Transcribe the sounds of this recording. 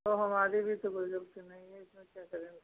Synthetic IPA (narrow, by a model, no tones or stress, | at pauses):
t̪oɦɐmaːɾibʱit̪obɐd͡ʒɐbt̪inɐɦĩɦɛɪsmẽkjaːkɐɾẽː